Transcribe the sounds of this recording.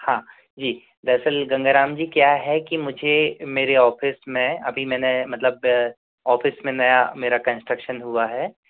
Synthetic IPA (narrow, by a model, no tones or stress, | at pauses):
hãː | d͡ʒiː | d̪ɛːsəlɡɐ̃ŋɡəɾaːmd͡ʒiːkjaːɦɛkimʊd͡ʒʱemeːɾeɔːfʰɪsmẽɐbʱimɛ̃ːnemɐt̪ləb̚ | ɔːfɪsmẽnɐjameːɾakɐ̃nsʈɾəkʃənɦuaɦɛː